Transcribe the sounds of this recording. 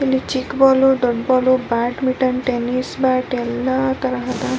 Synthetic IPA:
elːit͡ʃikbɔloɖɔɖbɔlobaʈmiʈɐnʈenisbaʈelːat̪ɐɾaɦɐt̪a

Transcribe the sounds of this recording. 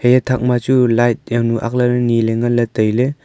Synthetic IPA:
hejetʰak̚mat͡ʃulajt̚jawnuʔa̰k̚laɾɯnileŋɡalɐtəjle

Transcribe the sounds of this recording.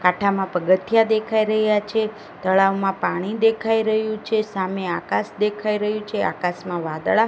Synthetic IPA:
kaʈʰamãpəɡət̪ʰjad̪ekʰaiɾəɦjat͡ʃʰe | t̪əɭaʋmãpaɽ̃id̪ekʰaiɾəɦjũt͡ʃʰesameakasd̪ekʰaiɾəɦjũt͡ʃʰea̰kasmãʋad̪ɭa

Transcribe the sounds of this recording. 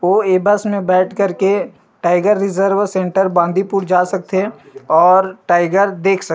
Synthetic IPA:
ʋoːeːbəsmẽbɛːʈʰkəɾke | ʈaːɪɡəɾːɪzəɾʋsẽːɳʈəɾbãːnd̪ʱipuːɾd͡ʒaːsɐk̚t̪e | ɔːɾʈaːɪɡəɾd̪eːkʰsɐ

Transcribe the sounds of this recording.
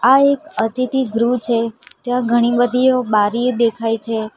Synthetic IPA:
aekət̪it̪iɡɾut͡ʃʰet̪jãɡʱəɽ̃ibəd̪ʱiobaɾid̪ekʰajt͡ʃʰe

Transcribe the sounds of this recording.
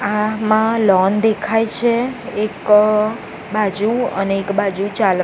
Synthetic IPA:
amãlɔnd̪ekʰajt͡ʃʰeek | bad͡ʒuə̰neːkbad͡ʒut͡ʃal

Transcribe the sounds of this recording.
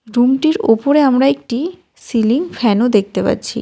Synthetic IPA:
ɾumʈiɾopoɾeamɾaek̚ʈi | siliŋfʰɛnod̪ek̚ʰt̪epa̰tːt͡ɕʰḭ

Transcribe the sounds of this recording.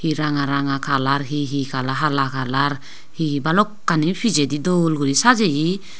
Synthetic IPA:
hiɾaŋaɾaŋakʰalaɾɦiɦikʰalaɦalakʰalaɾ | hibalɔkːanipʰid͡ʒedidɔlɡuɾisad͡ʒeji

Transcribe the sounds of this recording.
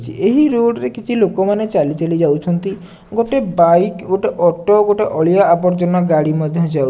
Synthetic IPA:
t͡ʃʰiʔeɦiɾoɽɾekit͡ʃʰilokomanet͡ʃalit͡ʃalid͡ʒawt͡ʃʰɔnt̪i | ɡoʈebajkɡoʈeʔɔʈoɡoʈeʔɔɭijaːpɔɾd͡ʒɔnɔɡaɽimɔd̪ʱjɔd͡ʒaw

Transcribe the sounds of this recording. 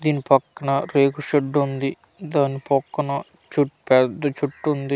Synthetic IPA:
d̪iːnipɐkːɐnɐɾeːkuʂɐɖːund̪i | d̪aːnːipɔkːɐnɐ | t͡ʃuʈpɛd̪ɐt͡ʃuʈːund̪i

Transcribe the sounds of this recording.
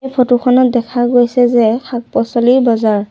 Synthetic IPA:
pʰotukʰɔnɔt̚dɛkʰaɡojsɛzɛxʰak̚pɔsɔliɹbɔzaɹ

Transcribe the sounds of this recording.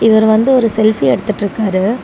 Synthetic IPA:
ɪʋɐɾʋɐnd̪ɯɔɾɯsɛlfiɛɽɯt̪ːɯʈːɪɾɯkːaːɾɯ

